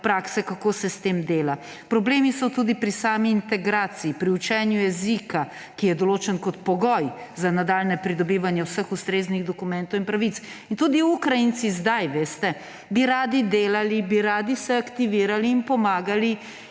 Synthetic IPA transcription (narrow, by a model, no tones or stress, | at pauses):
pɾaːksɛkakoːsɛst̪eːmd̪eːla | pɾɔbleːmisɔt̪uːd̪ipɾisaːmiːnt̪ɛɡɾaːt̪siːpɾiut͡ʃɛnjujɛzika | kijɛd̪ɔloːt͡ʃɛnkɔt̪pɔɡɔjzanad̪aːlnɛpɾid̪ɔbiːʋanjɛwsəxust̪ɾeːzniɣd̪ɔkumɛ̃nt̪ɔwinpɾaʋit̪s | int̪uːd̪iukɾajint̪sizd̪ajʋeːst̪ɛ | biɾaːd̪id̪eːlalibiɾaːd̪isɛakt̪iʋiːɾaliːnpɔmaːɡali